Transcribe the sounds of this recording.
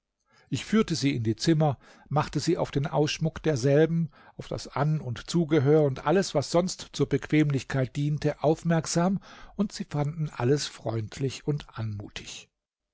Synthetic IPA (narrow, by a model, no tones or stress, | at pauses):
ʔɪçfyːɐtəziːɪndiːt͡sɪmɐ | maχtəziːaʊfd̥eːnʔaʊsʃmʊkd̥eːɐzɛlbm̩ | ʔaʊfd̥a̰sʔanʊntt͡suːɡəɦøːɐʊntʔaləsv̥asz̥ɔnstt͡suːɐbəkv̥eːmlɪçkʰaɪt̚d̥iːntəʔaʊfmɛɐkz̥aːmʔʊntz̥iːfandn̩ʔa̰ləsfʁ̥ɔʏntʰlɪçʊntʔanmṵːtʰɪ̥ç